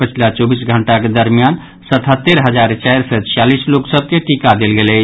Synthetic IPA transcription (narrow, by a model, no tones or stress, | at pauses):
pət͡ʃʰilat͡ʃɔbisɡʱəɳʈaked̪əɾmijan | sət̪ʰɦət̪ːeɾɦəd͡ʒaɾt͡ʃaɪɾsɛt͡ʃʰijalisloksəb̚keʈikad̪elɡelə